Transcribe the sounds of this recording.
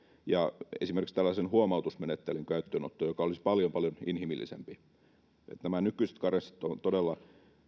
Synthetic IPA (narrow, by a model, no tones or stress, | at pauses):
jɑḛsimerkikst̪ælːæsenhuomɑut̪usmenet̪ːelyŋkæyt̪ːøːno̰t̪ːojokɑolispɑljompɑljoninhimilːḭsḛmpi | ḛt̪næmænykːˑyise̥t̪kɑrest̪i̥t̪ːont̪odelːɑ